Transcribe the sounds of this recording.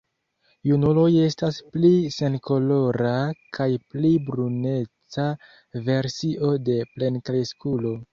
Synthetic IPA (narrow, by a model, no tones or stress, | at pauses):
junulo̞je̞stasplise̞nko̞lo̞ɾakʰajplibɾune̞t͡sa | ve̞ɾsiʔo̞de̞ple̞nkleskulo̞